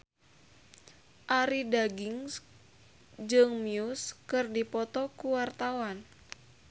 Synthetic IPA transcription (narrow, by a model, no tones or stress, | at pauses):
ʔaɾidaɡiŋs | d͡ʒɨŋmiuskɨrdipɔt̪ɔkuwart̪awan